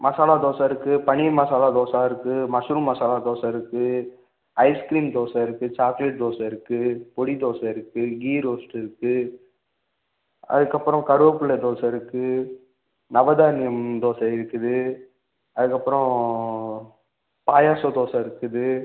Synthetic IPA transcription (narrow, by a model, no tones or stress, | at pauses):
mɐsaːlaːd̪oːsɐ̃ɪɾɯkːɯpɐɳimɐsaːlaːd̪oːsaːɪɾɯkːɯmɐsuɾɯmɐsaːlaːd̪oːsɐ̃ɪɾɯkːɯ | ɐɪskɾiːmd̪oːsɐ̃ɪɾɯkːɯt͡ʃaːklɛʈ̚d̪oːsɐ̃ɪɾɯkːɯpɔɽid̪oːsɐ̃ɪɾɯkːɯɡiːɾoːsʈɪɾɯkːɯ | ɐ̰ðɯkːɐpːɯɾɔ̃kɐɾɯɐpːɯɭɛd̪oːsɐ̃ɪɾɯkːɯ | nɐʋɐd̪aːnɪjɐmd̪oːsɐɪɾɯkːɯðɯ | ɐðɯkːɐpːɾɔ̃ | paːjaːsɐd̪oːsɐ̃ɪɾɯkːɯðɯ